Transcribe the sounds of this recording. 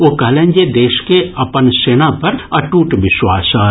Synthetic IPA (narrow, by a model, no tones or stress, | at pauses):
oːkɐɦlẽːnd͡ʒed̪eːʃkeɐpənseːnapɐɾɐʈuːʈʋɪʃwaːsaː